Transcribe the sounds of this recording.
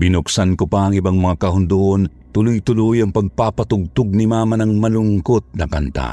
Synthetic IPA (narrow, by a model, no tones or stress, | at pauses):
bɪnʊksankʊpaɐŋɪbaŋmɐŋakɐɦʊnd̪uʔon | t̪ʊlʊjt̪ʊlʊjɐŋpɐɡ̚papɐt̪ʊɡ̚t̪ʊɡ̚nimamɐnɐŋmɐlʊŋkot̪̚nɐkant̪a̰